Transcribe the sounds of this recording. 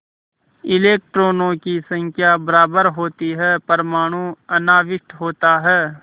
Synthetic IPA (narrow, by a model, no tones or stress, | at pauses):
ɪleːk̚ʈɾoːnõkisə̃ŋkʰjabəɾaːbəɾɦoːt̪iɦɛpəɾmaːɽ̃ũɐnaːʋɪʃʈɦoːt̪aɦɛː